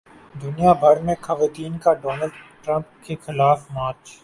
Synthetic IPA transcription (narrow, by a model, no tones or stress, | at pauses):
d̪ʊnijabʱɐɾmẽxɐʋeːt̪iːnkaɖɔːnəlɖʈɾɐ̃mp̚kexɪlaːfmaːɾt͡ʃ